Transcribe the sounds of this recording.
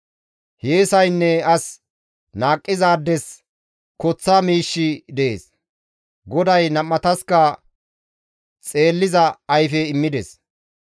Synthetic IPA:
heːsɐjnːɛɐs | naːkʼːɪzaːd̪ːɛs | kɔt͡sːamiːʃːɪd̪ɛʔḛːs | ɡɔd̪ɐjnɐmːɐt̪ɐskɐ | t͡sʼe̞ːlːɪzɐɐjfɛɪmːɪd̪ɛs

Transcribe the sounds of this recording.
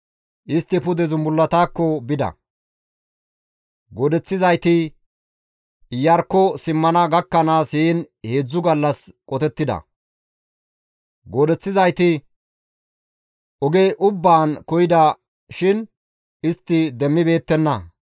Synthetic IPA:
ʔɪst̪ːɪpʊd̪ɛzʊmbʊlːɐt̪aːkːɔbɪd̪ɐ̰ | ɡɔd̪ɛt͡sːɪzɐjt̪ɪ | jɐɾkːɔsɪmːɐnɐɡɐkːɐnaːsheːnhe̞ːd͡zːʊɡɐlːɐskʼɔt̪ɛt̪ːɪd̪ɐ̰ | ɡɔd̪ɛt͡sːɪzɐjt̪ɪ | ʔɔɡɛʔʊbːaːnkɔjɪd̪ɐ | ʃɪn | ɪst̪ːɪd̪ɛmːɪbe̞ːt̪ːɛnːɐ

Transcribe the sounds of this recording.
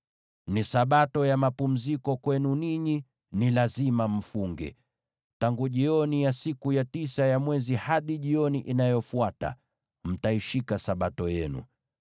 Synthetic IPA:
nisaɓatɔjamapum̩zikɔkwɛnuniɲi | nilazimam̩fuŋɡɛ̰ | taŋɡuʄiɔnijasikujatisajamwɛzihaɗiʄiɔniʔinajɔfuata̰ | m̩taiʃikasaɓatɔjɛnṵ

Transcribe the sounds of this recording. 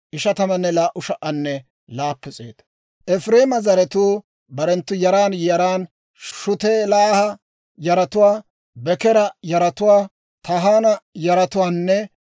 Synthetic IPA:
ʔɪʃɐt̪ɐmɐnːɛlaːʔʊʃɐʔɐnːɛ | laːpːʊt͡sʼḛːd̪̥ɐ̥ | ʔɛfɾeːmɐzɐɾɛt̪uː | bɐɾɛnt̪ːʊjɐɾaːnjɐɾaːn | ʃʊt̪eːlaːhɐ | jɐɾɐt̪ʊwaː | bɛkɛɾɐjɐɾɐt̪ʊwaː | t̪ɐɦaːnɐjɐɾɐt̪ʊwaːnːɛ

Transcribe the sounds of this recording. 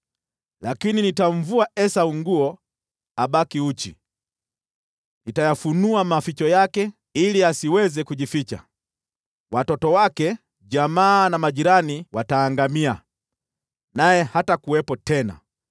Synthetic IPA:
lakininitaɱ̩vuaɛsauŋɡuɔ | aɓakiut͡ʃḭ | nitajafunuamafit͡ʃɔjakɛ | iliasiwɛzɛkuʄifit͡ʃa̰ | watɔtɔwakɛ | ʄamaːnamaʄiɾaniwataːŋɡamia | najɛhatakuwɛpɔtɛna̰

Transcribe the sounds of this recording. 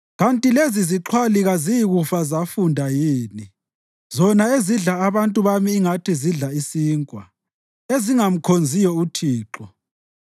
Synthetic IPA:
ɣantʼileziziǁʰwaliɣazijiɣufazafundʱajiːni | zɔnaeziɮaːβantʼuβamiːŋatʰiziɮaisiːŋkʼwa | eziŋam̩kʰond͡zʱijɔutʰiːǁɔ

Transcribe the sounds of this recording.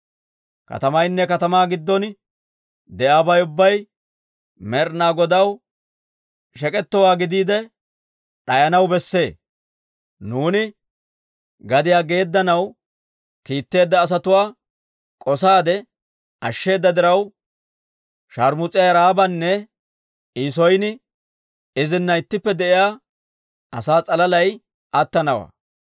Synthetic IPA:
kɐ̰t̪ɐmɐjnːɛkɐt̪ɐmaːɡɪd̪ːɔn | d̪ɛʔabɐjʊbːɐj | mɛɾnaːɡɔd̪ɐw | ʃɛkʼɛt̪ːɔwaːɡɪd̪iːd̪ɛ | ɗɐjɐnɐwbɛsːe̞ː | nuːnɪ | ɡɐd̪ɪjaːɡe̞ːd̪ːɐnɐw | kiːt̪ːe̞ːd̪ːɐːs̬ɐt̪ʊwaː | kʼɔsaːd̪ɛ | ʔɐʃːe̞ːd̪ːɐd̪ɪɾɐw | ʃɐɾmʊt͡sʼɪjaɾaːbɐnːɛ | iːsɔjnɪ | ɪzɪnːɐɪt̪ːɪpːɛd̪ɛʔɪjaː | ʔɐ̰saːt͡sʼɐlɐlɐj | ʔɐt̪ːɐnɐwa̰ː

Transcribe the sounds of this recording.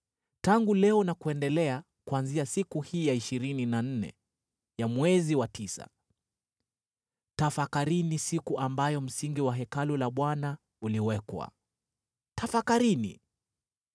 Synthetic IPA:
taŋɡulɛɔnakuɛndɛlɛa | kuanziasikuhiːjaiʃiɾininan̩nɛ̰ | jamwɛziwatʰisa̰ | tafakaɾinisikuʔambajɔm̩siŋɡiwaɦɛkalulaɓwana | uliwɛkwa̰ | tafakaɾini

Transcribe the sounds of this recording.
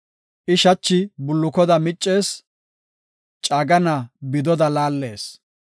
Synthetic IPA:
ʔɪʃɐt͡ʃːɪbʊlːʊkɔd̪ɐmɪt͡ʃʼːe̞ːs | t͡ʃʼaːɡɐnɐbɪd̪ɔd̪ɐlaːlːe̞ːs

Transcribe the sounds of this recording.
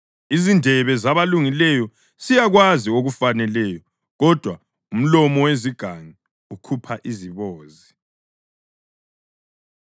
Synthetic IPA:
izindʱɛβɛzaβaluŋilɛjɔ | sijaɣwazioɣufanɛlɛjɔ | ɣɔd̥ʱwa | um̩lɔmɔweziɡ̥ʱaŋi | ukʰupʰaʔiziβoːzi

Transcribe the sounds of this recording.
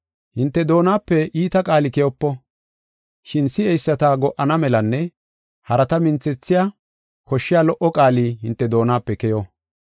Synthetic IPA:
hɪnt̪ːɛd̪o̞ːnaːpːɛʔiːt̪ɐkʼaːlɪkɛjɔpːɔ | ʃɪnsɪɛjsːɐt̪aɡɔʔɐnɐmɛlɐnːɛ | hɐɾɐt̪ɐmɪnt͡sːɛt͡sːɪjaː | kɔʃːɪjaːlɔʔɔkʼaːliːɦɪnt̪ːɛd̪o̞ːnaːpːɛkɛjɔ

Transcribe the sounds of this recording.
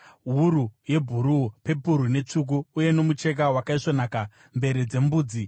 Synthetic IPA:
ɦuɾuje̞bʱuɾupe̞puɾune̞t͡ʂuk̬uːje̞no̞mut͡ʃe̞k̬awakaiʂonaːka | mbe̞ɾid͡ze̞mbuːd͡zi

